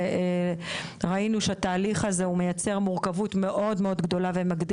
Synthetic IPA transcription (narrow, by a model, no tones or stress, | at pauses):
ʁainuʃeataːliχaze̞ume̞jat͡se̞ʁmuʁkavutme̞ʔo̞dmeod̪ɡd̪o̞lavemaɡd̪